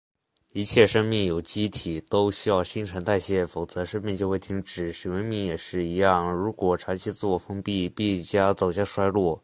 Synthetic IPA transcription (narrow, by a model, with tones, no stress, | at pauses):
i˧˥t͡ɕʰjɛ˥˧ʂɤ˥ŋmi˥˩ŋjo˨˩ʊt͡ɕi˥t̪ʰi˨˩t̪o˥ʊɕy˥jɑ˥˩ʊɕi˥ŋʈ͡ʂʰə˧˥nt̪a˥˧ɪɕjɛ˥˩fo˨˩ʊt͡sɤ˧˥ʂɤ˥ŋmi˥˧t͡ɕjo˥˧ʊxe˥˩ɪt̪ʰi˧˥ŋʈ͡ʂɻ̩˨˩ʂi˨˩wə˧˥nmi˥˩ŋjɛ˨˩ʂɻ̩˥˩i˧˥jɑ˥˩ŋɻu˧˥kwɔ˨˩ʈ͡ʂʰɑ˧˥ŋt͡ɕʰi˧˥t͡s̩˥wɔ˥˩fɤ˥ŋpi˥˩pi˥˩t͡ɕja˥t͡so˨˩ʊɕja˥˩ʂwa˥ɪlwɔ˥˩